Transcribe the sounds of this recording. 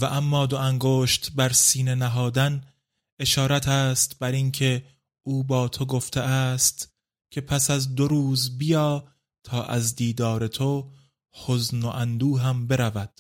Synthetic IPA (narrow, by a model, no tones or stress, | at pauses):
væʔæmːɒːd̪oæŋɡoːʃt̪bæɾsiːne̞næɦɒːd̪æn | ʔe̞ʃɒːɾæt̪ʰæːst̪bæɾiŋcʰe̞ | ʔuːbɒːt̪ʰo̞ɡo̞ft̪ʰeʔæːst̪ | kʲʰe̞pʰæsæzd̪o̞ɾuːzbijɒː | t̪ʰɒːʔæ̰zd̪iːd̪ɒːɾe̞t̪ʰo | hoznoʔænd̪uːɦæmbe̞ɾævæd̪̥